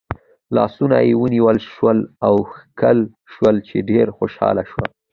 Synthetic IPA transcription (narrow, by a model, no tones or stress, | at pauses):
lɑ̰sunajewəniwəlʃwəlawxkəl | ʃwəlt͡ʃeɖeɾxoʃɑ̰laʃwa̰